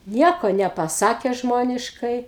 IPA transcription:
ˈnʲiɛkoː nʲɛpɐˈsɑːkʲɛ ˈʒmoːnʲɪʃkɐɪ

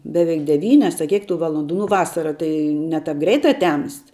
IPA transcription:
bʲɛˈʋʲɛɪk dʲɛˈʋʲiːnʲɛs ɐ ˈkʲiɛk tuː ˈʋɑːlˠoːnduː nʊ ˈʋɑːsɐrɐ ˈtɐɪ ˈnʲɛ ˌtɐp ˈɡrʲɛɪtɐ ˈtʲɛmst

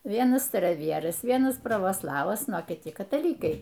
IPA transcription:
ˈʋʲiɛnɐs stɐrɐˈʋʲiɛrɐs ˈʋʲiɛnɐs prɐʋoːˈslˠɑːʋɐs ˈnʊ oː kʲɪˈtʲɪ kɐtɐˈlʲiːkɐɪ

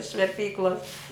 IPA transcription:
ɪʃ ʋʲɛrʲˈpʲiːklˠoːs

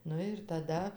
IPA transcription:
ˈnʊ ɪr tɐˈdɐ

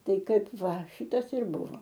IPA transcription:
ˈtɐɪ ˈkɐɪp ˈʋɐ ˈʃʲiːtɐs ɪr ˈbʊʋoː

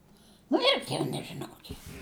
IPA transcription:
nʊ ˈɪrʲɡʲɪ jɛʊ nʲɛʒʲɪˈnɐʊ ˈkʲɪk

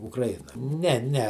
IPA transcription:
ʊkrɐˈjɪnɐ ˈnʲɛ ˈnʲɛ

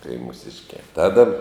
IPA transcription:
tɐɪ muːˈsʲɪʃʲkʲæː ˈtɑːdɐ

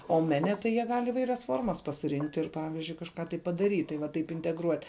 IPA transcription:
oː ˈmʲæːnʲɛ tɐɪ jiɛ ˈɡɐlʲ ɪˈʋɐɪrʲɛs ˈfoːrmɐs pɐsʲɪˈrʲɪŋktʲ ɪr ˈpɑːʋʲɪzʲd͡ʒʲʊɪ kɐʃˈkɑː tɐɪ pɐdɐˈrʲiːtʲ tɐɪ ʋɐ ˈtɐɪp ɪnʲtʲɛɡˈruɔtʲ

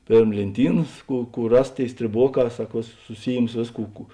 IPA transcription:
ˈpʲeːrm lʲeːnʲˈtʲiːnɐs ˈkuː ˈkuː ˈrɐs ˈtʲeːɪ sʲtʲrʲeːˈboːˌkɑː ˈsɐk ˈʋʲeːˌsʊs sʊˈsʲiːjɪms ˈʋʲeːsˌkuː ˈkuː

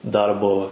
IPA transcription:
ˈdɐrboː

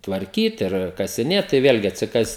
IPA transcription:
tʋɐrʲˈkʲiːt ɪr kɐsʲɪˈnʲeːt tɐɪ ˈʋʲeːlʲɡʲɪ ɐtʲsʲɪˈkɐs

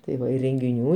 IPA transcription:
tɐɪ ˈʋɐ ɪ rʲɛŋʲɡʲɪˈnʲuː

